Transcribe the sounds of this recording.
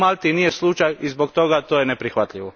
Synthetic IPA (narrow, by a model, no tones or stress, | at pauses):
malʲt̪inijeslˠut͡ʃajizbokt̪o̞ɡat̪oːjenepɾixʋat̪ʎiʋo